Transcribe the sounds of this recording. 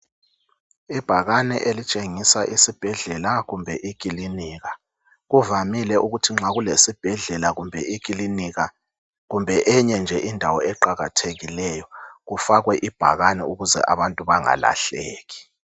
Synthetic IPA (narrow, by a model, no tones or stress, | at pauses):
ib̥ʱaɣanɛʔelit͡ʃʼeŋisaʔisib̥ʱɛɮɛlaɣumbʱɛʔikʼiliniːɣa | ɣuvamilɛʔuɣutʰiŋ͡ǁaɣulesib̥ʱɛɮɛlaɣumbʱɛ̰ʔikʼiliniɣa | ɣumbʱɛʔɛɲɛnd͡ʒʱɛʔindʱawɔɛǃaɣatʰeɣilɛjɔɣufaɣwɛʔib̥ʱa̰ɣanɛ̰uɣuzɛ̰ʔaβantʼuβaŋa̰la̰ɬeːɣi